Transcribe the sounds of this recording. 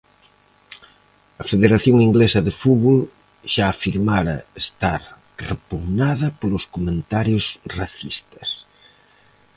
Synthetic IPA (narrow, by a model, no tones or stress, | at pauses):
ɐfeðeɾaθjoŋiŋɡlesɐðefuβol | ʃaːfiɾmaɾɐ̰est̪aɾ | repuɣnað̞ɐpoloskomẽnt̪aɾjosraθist̪ɐ̥s